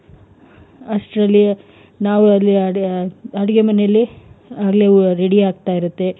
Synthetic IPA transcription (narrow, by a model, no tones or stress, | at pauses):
ɐsʈɾɐlːjiɐ | naːwuɐlːi | ɐɽɐɡemɐnejɐlːiaːɡle̞ɾeɽiaːɡ̚t̪aːjiɾut̪ːe̞